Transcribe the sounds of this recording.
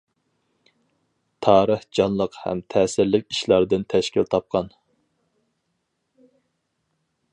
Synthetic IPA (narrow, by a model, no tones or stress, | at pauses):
t̪ʰɑːɾəhd͡ʒɑnlˠəqhɛ̰mt̪ʰɛːsɪɾlɪk̚ʲiʃlˠɑɾd̪ɨnt̪ʰɛʃkʲilt̪ʰɑp̚qʰɑn